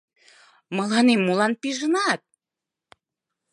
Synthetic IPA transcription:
məlɑnemːulɑnpiʒənɑt̪̚

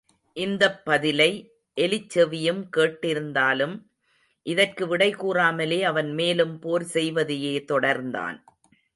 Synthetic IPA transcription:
ʔɪnd̪ɐpːɐðɪlɐɪ | ʔɛlɪt͡ʃːɐʋɪjɯmkeːʈːɪɾɯnd̪aːlɯm | ʔɪðɐrkɯʋɪɽɐɪkuːraːmɐleːɐʋɐnmeːlɯmpoːɾsɛjʋɐðɪjeːt̪ɔɽɐɾnd̪a̰ːn

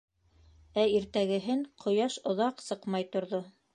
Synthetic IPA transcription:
æiɾt̪æɡɘ̆ɦɘŋqʰŏjɑʃŏðɑqsɤqmɑjt̪ŏɾðo

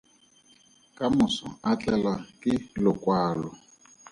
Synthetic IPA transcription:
kʼamʊsɔ̰at͡ɬʼɛlakʼɪlʊkʼwaːlɔ

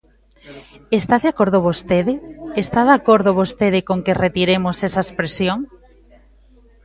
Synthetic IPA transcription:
est̪aðeakoɾð̞ʊβost̪eðɪest̪aðakoɾðoβost̪eðɪkoŋkeret̪iɾemosesɐespɾesjoŋ

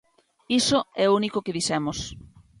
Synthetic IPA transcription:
isoɛounikokeðisɛmos

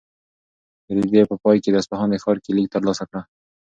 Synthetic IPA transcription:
ɾid̪epəpɑjked̪aspahɑnexɑɾkelik̚t̪əɾlɑsakɽa

